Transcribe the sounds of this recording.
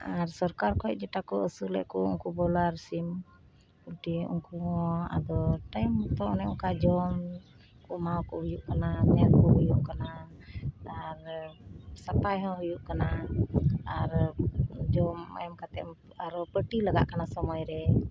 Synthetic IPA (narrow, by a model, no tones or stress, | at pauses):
aɾsɔɾkaɾkɔɛʔd͡ʒɛʈakɔʔəsulɛ̰ʔkɔɔ̰ŋkubɔlaɾsim | kulʈiɔ̰ŋkuɦɔa̰d̪ɔʈajmt̪ɔɔnɛɔŋkad͡ʒɔm | kɔmawkɔhujuʔkanamɛat̪̚kɔɦujuʔkana | aɾ | sapajɦɔ̃ɦujuʔkana | aɾ | d͡ʒɔma̰ɛmkat̪ɛm | aɾpəʈilaɡa̰ʔkanasɔmɔjɾɛ